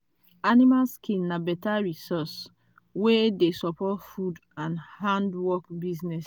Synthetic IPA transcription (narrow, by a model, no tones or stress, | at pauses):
animalskʰĩnnabɛtaɹisɔs | wedesɔpɔtfudãnhãndwɔkbiznɛs